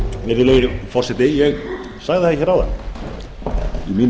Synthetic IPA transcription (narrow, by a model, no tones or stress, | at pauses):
mɪɾɪleɪfɔr̥sɛt̪ɪjɛɣ | saɣðɪhɛçɛɾaːwða̰n | imin